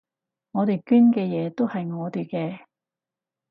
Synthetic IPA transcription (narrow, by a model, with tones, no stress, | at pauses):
ŋɔː˨˧t̪e˨jkyː˥nkɛː˧jɛː˨˧t̪o˥whɐ˨jŋɔː˨˧t̪y˨˩kɛː˧